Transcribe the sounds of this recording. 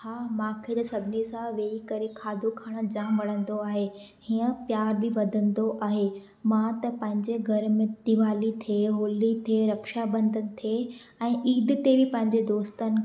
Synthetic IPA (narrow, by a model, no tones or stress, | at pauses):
haːmãːkʰed͡ʑsɐbʱɪnisãʋeːikɐɾekʰaːd̪ʱokʰaːɽ̃ə̆d͡ʑãːmʋɐɽ̤̃ə̃nd̪oaːɦe | hiːə̃pjaːɾbɪʋɐd̪ʱə̃nd̪oʔaːɦe | mãt̪ɐpɐ̃ɦɪ̃ɲd͡ʑeɡʱɐɾmɪ̃t̪iʋaːlit̪ʰeɦoːlit̪ʰeːɾɐkʃabɐ̃nd̪ənɪ̆t̪ʰe | ɛ̃ːʔiːd̪t̪ebɪpɐ̃ɦɪ̃ɲd͡ʑed̪oːst̪ənɪ̆